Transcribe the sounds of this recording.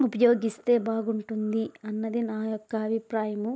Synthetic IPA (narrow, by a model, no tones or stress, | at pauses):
upɐjo̞ːɡist̪e̞ːbaːɡuɳʈund̪iɐnːɐd̪inaːjokːɐːbʱipɾaːjɐmu